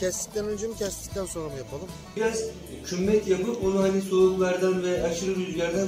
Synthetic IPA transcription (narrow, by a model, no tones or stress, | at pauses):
cʰɛsli̥clʲænønd͡ʒemucʰɛslʲi̥c̚t̪ʰænso̞nɾamujapʰalˠɯm | biɾaz | cʰymːɛt̪japɯpo̞nuɦaniso̞ɾuk̪lˠaɾd̪anvɛaʃɯɾɯɾyzlʲæɾd̪æn